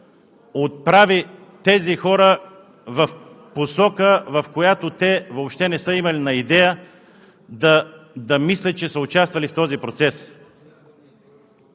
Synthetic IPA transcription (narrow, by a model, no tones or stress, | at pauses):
ot̪̚pɾavi | t̪ɛzixɔɾə | vɐfposɔkəvɐfkojat̪ot̪ɛvoːpʃt̪ɛnɛsəimɐlinɐid̪ɛjə | d̪əd̪ɐmislʲɐt̪̚t͡ʃɛsəʊt͡ʃast̪vɐlift̪ɔzipɾot̪sɛs